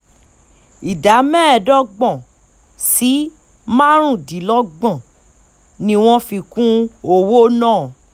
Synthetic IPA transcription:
i˨da˨˦mɛ̃ː˦˨dɔ˦ɡ͡bɔ̃˦˨ | si˨˦ | mã˦ɾ̃ũ˦˨di˨˦lɔ˦ɡ͡bã˦˨ | nĩ˧w̃ɔ̃˦fi˧kũ˦o˧wo˦nãː˦˨

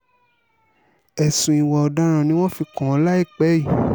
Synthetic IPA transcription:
ɛ˨sũ˨i˨wɔ˨ɔ˧da˨˦ɾ̃ã˧nĩ˦w̃ɔ̃˦fi˧kɔ̃˨ɔ˧˦la˦i˦˨k͡pɛ˨˦i˦˨

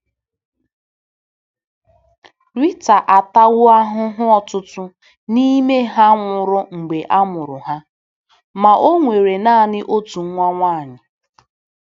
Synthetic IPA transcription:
ɾi˦ta˨ʔa˨ta˦wʊ˦a˦ɦʊ˦ɦʊ˦ɔ˨tʊ˦tʊ˦ | ni˦me˦ɦa˦ŋʷʊ˨ɾʊ˦ŋ͡m̩˨ɡ͡be˨ʔa˦mʊ˨ɾʊ˨ɦa˦ | ma˨ʔo˦ŋʷe˨ɾe˨naː˦˨nɪ˦ʔo˦tu˨ŋ̩˦ŋʷa˦ŋʷaː˦a˨ɲɪ˨

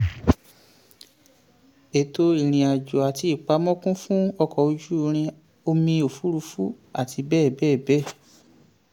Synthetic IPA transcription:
e˨to˧i˨ɾ̃ĩ˨a˨d͡ʒɔ˨a˨ti˧i˦˨k͡pa˧˦mɔ̃˦kũ˦fũ˦ɔ˧kɔ˨o˧d͡ʒu˦˧ɾ̃ĩ˧ | o˧mĩ˧o˨fu˨˦ɾu˧˦fu˦ | a˦˨tʰi˧˦bɛː˦˨bɛː˦˨bɛ˦˨

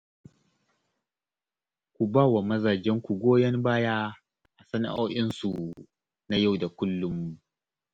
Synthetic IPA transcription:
kʷu˨baː˦˨wa˨mɐ˦zaː˨d͡ʒɛ˦ŋkʷu˨ɡʷoː˦jɐ˦mbaː˦jaː˦ | ʔa˨sɐ˦na̰˨ʔoː˦ʔɪ˦nsu˨ | na˦ja˦˨wda˨kʷʊ˦lːʊ˦˨mːu˨

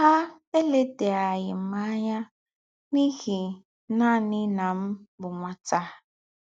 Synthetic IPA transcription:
ha˦ | e˦le˦de˨a˨ɣɪ˨m̩˦ma˦ɲa˦ | ni˦ɣi˨ | na˦˨nɪ˦na˨m̩˦bʊ˨ŋʷa˨ta˦

